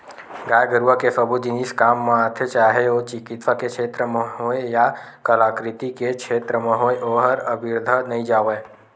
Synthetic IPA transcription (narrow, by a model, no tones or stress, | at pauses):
ɡaːjɡəɾuʋakesəbud͡ʒɪniskaːmːãat̪ʰet͡ʃaːɦeot͡ʃɪkɪt̪ʋakekʃʰeːt̪ɾəmẽɦoeja | kəlaːkɾɪt̪ikekʃʰeːt̪ɾəmẽɦoːeʔoːɦəɾəbɪɾd̪ʱənɐɦĩd͡ʒaːoʋeː